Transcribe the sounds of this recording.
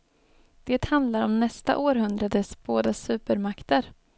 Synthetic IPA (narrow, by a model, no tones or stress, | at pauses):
d̪̥eːt̪hand̪laɾɔmnɛst̪a̰ʔoːɾɦɵnd̪ɾad̪əsb̥oːd̪asʉ̟ːpəɾmakt̪əɾ